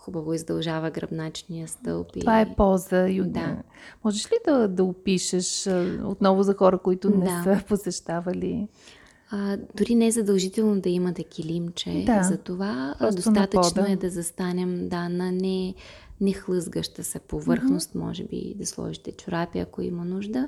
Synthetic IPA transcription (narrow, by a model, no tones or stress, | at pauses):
xubɐvoizd̪ɐlˠʒavəɡɾɐ̰bnat͡ʃnijəst̪ɤ̰lˠp̪iovaɛpɔzəiod̪a | mɔʒɛʃlid̪ɐd̪ɐʊpiʃəʃo̰t̪nɔvʊzɐxɔɾəkoit̪ʊnɛd̪aɛposɛʃt̪avəli | d̪ʊɾinɛzɐd̪ɐlˠʒit̪ɛlˠnod̪ɐimɐt̪ɛkʲilimt͡ʃɛ̰d̪azɐt̪ovaɔsd̪ot̪nɐat̪əɔt͡ʃnoɛd̪ɐzɐst̪anɛmd̪anɐnɛnɛxlˠɤzɡəʃt̪əsɛpovɤɾxnost̪mɔ̰ʒɛbḭd̪ɐslˠɔ̰ʒit̪ɛt͡ʃʊɾapiɐ̰koḭmɐnuʒd̪ə